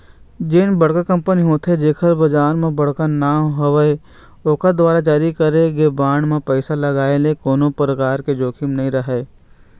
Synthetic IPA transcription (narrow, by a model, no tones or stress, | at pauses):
d͡ʒɪnbəɽkakə̃mpəniɦoːt̪ʰed͡ʒeːkʰəɾbɐd͡ʒaːɾmẽbɐɽ̤kanaːɦɐʋəe | oːkad̪ʋaːɾad͡ʒaːɾikəɾeɡebaːɳmẽpɛɪsalɐɡaːelekoːnõpɾəkaːɾked͡ʒoːkʰɪmnɐɦĩɾɐɦeː